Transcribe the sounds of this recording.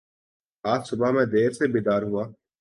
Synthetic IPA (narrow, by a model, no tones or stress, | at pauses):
aːtsʊbamɛ̃ːd̪eːɾsebiːd̪aːɾɦʊaː